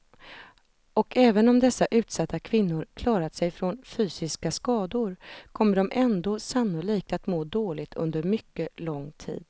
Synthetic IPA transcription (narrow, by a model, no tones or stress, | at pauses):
ɔkʰɛːvənɔmd̪ɛsːaʔʉ̟ːt̪sat̪ːakʰvɪnːʊɾkʰlɑːɾat̪sɛjfɾɔnfyːsɪskaskɑːd̪ʊɾkʰɔmːəɖɔmʔɛnd̪oːsanːʊliːk̚t̪at̪moːd̪oːlɪɡ̚t̪ʰɵ̰nd̪əɾmʏkːəlɔŋːt̪ʰḭːd̪